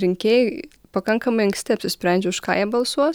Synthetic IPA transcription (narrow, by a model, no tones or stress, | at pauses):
ɾʲɪŋʲkʲeːjɛ | pɐkɐŋkɐmɐɪɐŋksʲt̪ʲɪɐpʲsʲɪsʲpʲɾʲɛnʲd͡ʒʲɛʊʃkɑ̰ːjɛbɐlˠsuɔt